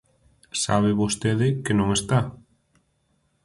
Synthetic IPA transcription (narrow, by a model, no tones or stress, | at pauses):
saβɪβost̪eðɪkɪnõŋest̪a